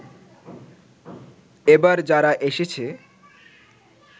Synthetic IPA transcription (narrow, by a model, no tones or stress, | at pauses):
ebaɾd͡ʑaɾaʔeʃet͡ɕʰe